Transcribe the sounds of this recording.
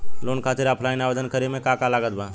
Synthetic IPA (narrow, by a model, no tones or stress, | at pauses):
loːnkʰat̪ɪɾaːpʰlaːɪnaːʋəd͡ʒənkəɾemẽkakalaːɡət̪̚bãː